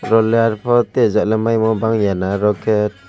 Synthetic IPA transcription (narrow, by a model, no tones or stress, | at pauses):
ɾɔlɛaɾpʰɔt̪ɛzaʔlɛmajmɔbaŋjanaɾɔkʰɛt̚